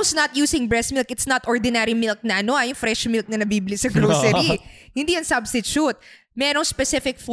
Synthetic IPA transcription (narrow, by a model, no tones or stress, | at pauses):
snɐt̪̚juːsɪŋbɹɛsmɪlkɪt̪snɐt̪ʔoɹd̪ɪnɛɾimɪlk̚nɐʔɐnoʔɐjʊŋfɾɛʃmɪlk̚nɐnɐbiːbɪlisɐɡɾosɛihɪnd̪iɐŋsɐbsɪt͡ʃut̪̚ | mɛːɾoŋspɛsɪfɪk̚f